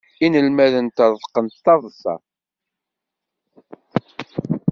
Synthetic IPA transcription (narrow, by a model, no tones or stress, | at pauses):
inəlmæðənt̪əɾˤə̥qːənt̪t̪ːɑðˤsɑ̰